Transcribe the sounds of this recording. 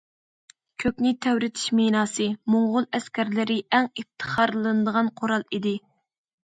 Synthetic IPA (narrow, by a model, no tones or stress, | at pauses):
kʲʰøkʲnɪt̪ʰæwɾɪt̪ʰi̥ʃmenɑːsɨmoŋʁʊlˠɛskʲæɾlɪɾɪʔɛŋift̪ʰə̥χɑɾlˠɨnɨd̪əʁɑnqʰoɾɑlˠid̪ɪ